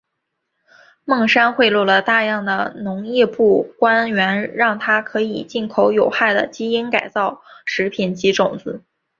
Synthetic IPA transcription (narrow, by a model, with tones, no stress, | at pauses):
mɤ˥˩ŋʂa˥nxwe˥˧ɪlɔ˥˩lə˩t̪a˥˧jɑ˥˩ŋd̪ə̰˩nʊ˧˥ŋjɛ˥˧pu˥˩kwa˥nɥɛ˧˥nɻɑ˥˩ŋt̪ʰa˥kʰɤ˧˥i˨˩t͡ɕi˥˩nkʰo˧˥ʊjo˨˩ʊxa˥˩ɪd̪ə̰˩t͡ɕi˥i˥nka˨˩ɪt͡sɑ˥˩ʊʂɻ̩˧˥pʰi˨˩nt͡ɕi˧˥ʈ͡ʂʊ˨˩ŋt͡sɹ̩˧˦